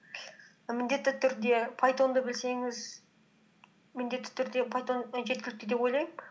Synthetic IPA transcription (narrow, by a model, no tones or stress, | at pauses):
mɪnd̪e̞t̪ːɪt̪ʰʏɾd̪e̞pʰajt̪o̞nd̪əbɪlse̞ŋɪz | mɪnd̪e̞t̪ːɪ̥t̪ʰʏɾd̪e̞pʰajt̪o̞nʒe̞t̪̚kʲɪlɪk̚t̪ɪd̪e̞pojlˠɑjm